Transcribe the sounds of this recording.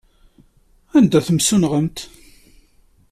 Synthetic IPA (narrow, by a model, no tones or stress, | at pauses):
ænd̪æθəmsunʁəmt̪